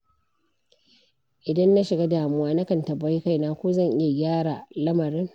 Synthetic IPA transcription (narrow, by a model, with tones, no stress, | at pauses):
ʔɪ˨dɐ˦nːa˦ʃɪ˨ɡa˦daː˨mʊ˦waː˦na˦kɐ˨ntɐ˨ba˦jka˦˨jnaː˦kʷoː˦zɐ˦˨ŋʔɪ˦ja˨ɡʲaː˦ɽa˨lɐ˦mɐ˨ɾɪ˦ŋ